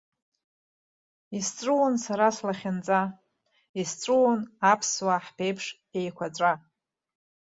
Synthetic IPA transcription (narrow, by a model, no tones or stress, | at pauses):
ist͡sʷʼuwonsaɾaslaχʲɪnt͡sʼa | ist͡sʷʼuwonapʰswaħpʰe̞jpʰʂ | e̞jkʷʰat͡sʷʼa